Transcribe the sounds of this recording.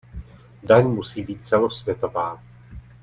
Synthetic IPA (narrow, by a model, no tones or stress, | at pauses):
daɲmusiːbiːt̪̚t͡sɛlosvjɛt̪o̞vaː